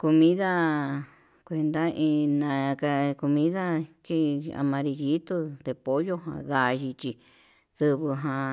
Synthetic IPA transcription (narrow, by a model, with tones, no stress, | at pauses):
ko˧mĩ˦ða˦ | kʷe˧nd̪a˦ʔĩ˧nã˨˧ka˧ko˧mĩ˦ða˦ki˦a̰˧mã˧ɾi˧ji˦t̪u˧d̪e˧po˦jo˦ɦã̰˧˨ða˧ʒi˧t͡ʃi˧ | ð̥ɨ˧βɨ˧ɦã˧